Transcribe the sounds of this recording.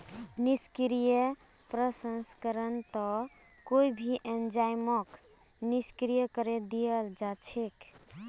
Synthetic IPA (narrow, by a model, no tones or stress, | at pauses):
niskɾijə | pɾəsənskəɾənt̪ɔ | koibʱiʔend͡ʒajmək | niskɾijəkəɾed̪ijəld͡ʒat͡ʃʰek